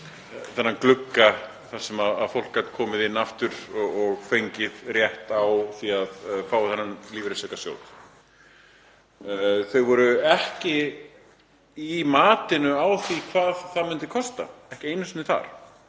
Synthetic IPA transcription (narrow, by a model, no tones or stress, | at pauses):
θɛnːanklʏkːa | θaɾ̥sɛmaða̰ðfowl̥kat̪kʰɔːmɪðɪnːaft̪ʏɾ̥ɔɔɣfejɲcɪðrjɛht̪awθiaðfaːwaθɛnːanliːvɾesɛkasjo̰wt̪ | θœɥvɔɾʏɛhcɪ | imaːt̪ɪnʏawθikʰvaːðθaðmʏnt̪ɪ̥kʰɔst̪a̰ɛhcɪejnʏsʏnɪθa̰ɾ̥